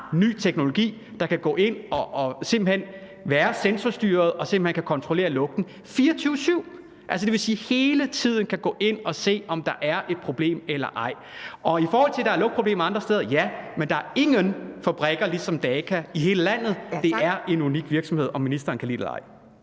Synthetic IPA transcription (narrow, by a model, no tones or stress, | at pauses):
ny̰ːt͡sʰeɡ̥no̝lo̝ɡ̥ḭː | d̥ɑ̈kʰæɡ̥ɔ̰̽ːʔe̝n̰ɒ̽ːse̝mb̥l̩en̰ | ʋæːɐsensɐsd̥yːɐð̩ˠɒ̽semb̥l̩henkʰækʰɒ̽nt͡sʰʁole̝̰ːɐlɔ̽ɡ̥̚d̥n̩ | fiːɐt͡sʰyːʊsyʊ̰ | ʔæls̬əd̥e̝ʋe̝siːhe̝ːlət͡sʰið̞̰ˠn̩kʰæɡ̥ɔ̰̽ːʔe̝n̰ɒ̽se̝̰ːɒ̽md̥ɑ̈ʔæɐʔe̝d̥̚pʰʁo̝b̥le̝̰ːmelɐ̰ʔɑ̈ɪ̰ | ʔɒ̽ifɒːhɒ̽l̰t͡sʰe̝d̥ɑ̈æɐlɔ̽ɡ̥̚pʰʁob̥le̝̰ːmɑɑ̈nd̥ʁɐsd̥eːð̞ˠɐjæmend̥ɑ̈æɐe̝ŋənfæb̥ʁɛɡ̥ɐlisɒ̽md̥ɛːkʰæiɦe̝ːləlæn̰ð̞̩ˠd̥e̝æɐe̝nuniɡ̥ʋiɐɡ̥sɒ̽mhe̝ð̞̰ˠɒ̽minisd̥ʁɐːnkʰælḭːd̥elɑ̰̈ɪ̰